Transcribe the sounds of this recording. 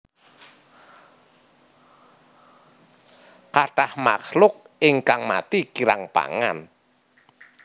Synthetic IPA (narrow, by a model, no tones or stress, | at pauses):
kaʈahma̰χlʊk̚ | ɪŋkaŋmat̪ikiɾa̰ŋpa̰ŋa̰n